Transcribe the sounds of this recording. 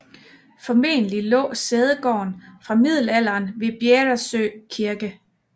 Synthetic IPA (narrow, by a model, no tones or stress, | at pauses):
fɒ̽me̝̰ːnəlilɔ̰̽ːseð̞ˠəɡ̥ɒ̰ːnfʁɑ̈mið̞̰ˠl̩æl̰ɐːnʋe̝b̥jeːdɐsø̰kʰiɐɡ̥ə